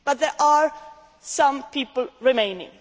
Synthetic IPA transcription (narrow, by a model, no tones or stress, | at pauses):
b̥at̪̚ðɛʔaɹ | sãmpʰiːpəlɹimẽɪ̃nɪ̰̃ŋ